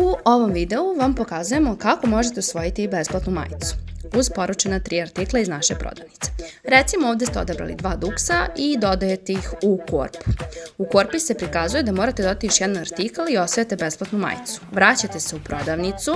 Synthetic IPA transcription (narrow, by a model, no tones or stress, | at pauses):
uo̞ʋo̞mʋid̪e̞uʋampo̞kazuje̞mo̞kako̞mo̞ʒet̪eusʋo̞jit̪ibe̞splˠat̪numa̰ːjt̪su̥uzpo̞ɾut͡ʃenat̪ɾiːaɾt̪iklˠaiznaʃepɾo̰d̪aʋnit̪se̥ɾet̪simoovd̪est̪eo̞̰d̪abɾa̰lḭd̪ʋaːd̪uksaid̪o̞d̪ajet̪eixuko̰ːɾpukoɾpise̞pɾikazujed̪amoɾat̪ed̪od̪at̪ijoʃjɛd̪anaɾt̪ikalio̞sajet̪e̞be̞splˠat̪numa̰ːjt̪su̥ʋɾat͡ɕat̪e̞se̞upɾo̞d̪aʋnit̪su